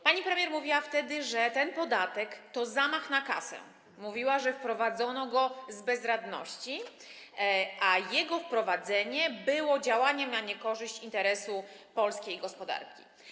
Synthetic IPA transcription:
paɲipɾɛmʲjɛɾmuvʲiwaft̪ɛd̪ɘʐɛt̪ɛnpɔd̪at̪ɛkt̪ɔzamaxnaka̰sɛ̰ | muvʲiwaʐɛfpɾɔvad̪zɔnɔɡɔzbɛzɾad̪nɔ̰ɕt͡ɕi | ʔajɛɡɔfpɾɔvad̪zɛɲɛbɘwɔd͡ʑawaɲɛmnaɲɛkɔʐɘɕt͡ɕint̪ɛɾɛsupɔlskʲejɡɔspɔd̪a̰ɾkʲi̥̰

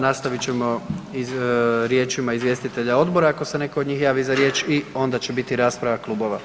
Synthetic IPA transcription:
nast̪aʋit͡ɕe̞mo̞iɾje̞ːt͡ʃimaizʋje̞st̪it̪e̞ʎao̞d̪bo̞ɾaːko̞se̞ne̞koːd̪ɲiːxjaːʋizaɾje̞ːt͡ʃio̞nd̪at͡ɕe̞bit̪iɾaːspɾaʋaklˠubo̞ʋa

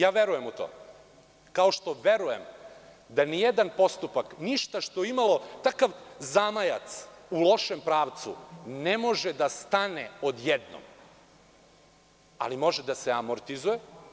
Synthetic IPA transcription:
jaːʋe̞ɾujemut̪o̰ː | kaoʃt̪o̞ʋe̞ɾujem | d̪anijed̪anpo̞st̪upakniʃt̪aʃt̪ojeimalo̞t̪akaʋzamaja̰t̪sulˠo̞ʃe̞mpɾaːʋt̪sṵnemo̞ʒed̪ast̪aneo̞d̪jed̪no̰m | a̰limo̞ʒed̪aseamoɾt̪izuje

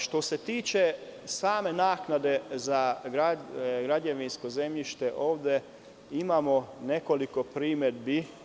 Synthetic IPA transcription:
ʃt̪o̞se̞t̪iːt͡ʃe̞saːme̞naːknad̪e̞zaɡɾaɡɾaɟeʋinsko̞ze̞mʎiʃt̪e̞ʔo̞ːʋd̪e̞ | imamo̞ne̞ko̞liko̞pɾiːmed̪bi

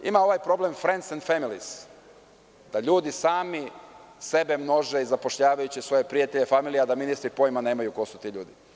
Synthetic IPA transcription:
ḭmao̞ʋajpɾo̞blˠe̞mfɾend̪send̪familis | d̪̥aʎuːd̪isaːmise̞be̞mno̞ʒeizapo̞ʃʎaːʋajut͡ɕisʋo̞je̞pɾijat̪eʎefamilˠijad̪aminist̪ɾipo̞jmane̞ːmajuko̞sut̪iʎṵːd̪i

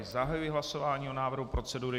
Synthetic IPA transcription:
zaɦajujɪɦlaso̞vaːɲiːo̞naːvr̩ɦupɾo̞t͡sɛduːɾɪ

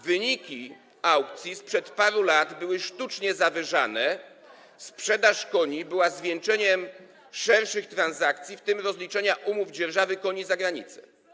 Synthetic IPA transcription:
vɘɲikʲi | awkt̪sʲjispʂɛt̪paɾulad̪bɘwɘʂt̪ut͡ʂɲɛzavɘʐanɛ | spʂɛd̪aʂkɔɲibɘwazvʲjɛnt͡ʂɛɲɛm | ʂɛɾʂɘxt̪ɾanzakt̪sʲjift̪ɘmɾɔzlʲit͡ʂɛɲaʔumuvd͡ʑɛɾʐavɘkɔɲizaɡɾaɲit̪sɛ̥̰

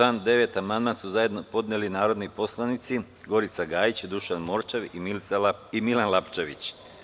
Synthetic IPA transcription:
aːnd̪e̞ʋet̪amand̪mansuzaje̞d̪no̞po̞d̪nelinaːɾo̞d̪nipo̞slˠanit̪si | ɡo̞ɾit̪saɡaːjit͡ɕd̪uʃanmo̞ɾt͡ʃeʋimilt̪salaimilanlˠapt͡ʃeʋit͡ɕ

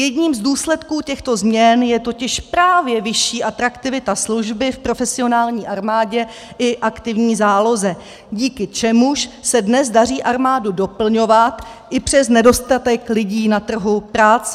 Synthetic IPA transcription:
jɛdɲiːmzduːslɛt̪kuːcɛxt̪o̞zmɲɛnjɛt̪o̞cɪʃpɾaːvjɛvɪʃiːʔat̪ɾakt̪ɪvɪt̪asluʒbɪfpɾo̞fɛsɪo̞naːlɲiːʔaɾmaːɟɛ | ʔɪʔakt̪ɪvɲiːzaːlo̞zɛ | ɟiːkɪt͡ʃɛmuʃsɛdnɛzdar̝iːʔaɾmaːdudo̞pl̩ɲo̞vat̪ʔɪpr̥ɛsnɛdo̞st̪at̪ɛklɪɟiːnat̪r̩ɦupɾaːt͡sɛ

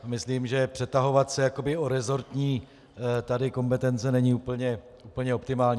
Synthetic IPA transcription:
mɪsliːmʒɛpr̝̥ɛt̪aɦo̞vat̪sɛjako̞bɪo̞ɾɛzo̞ɾt̪ɲiː | t̪adɪko̞mpɛt̪ɛnt͡sɛnɛɲɪupl̩ɲɛ | uːpl̩ɲɛo̞pt̪ɪmaːlɲiː

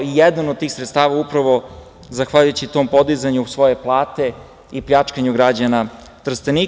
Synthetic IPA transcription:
ijed̪anod̪̚t̪iːxsɾet̪st̪aːʋaupɾaʋo̞ | zaxʋaʎujut͡ɕit̪o̞mpo̞d̪izaɲusʋo̞je̞plˠaːt̪e̞ | ipʎʲat͡ʃkaɲuɡɾad͡ʑana | t̪r̩st̪eni

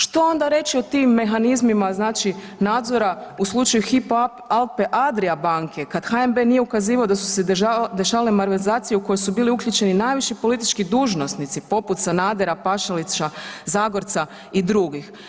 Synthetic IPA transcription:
ʃt̪o̞o̞nd̪aɾe̞t͡ʃio̞t̪iːmːe̞xanizmimaznaːt͡ʃi | naːd̪zo̞ɾauslˠut͡ʃajuxip | alˠpeʔad̪ɾiabaːŋkʰe̞kad̪xaembe̞nije̞ukaziːʋaod̪asu̥sed̪e̞ʃaːʋalemaɾʋezaːt̪sijeuko̞jojsubiːliukʎut͡ʃe̞ninajʋiʃipo̞lit̪i̥t͡ʃkid̪uːʒno̞snit̪sipo̞put̪sanaːd̪eɾapaʃalit͡ʃazaːɡo̞ɾt̪sa | id̪ɾuɡix

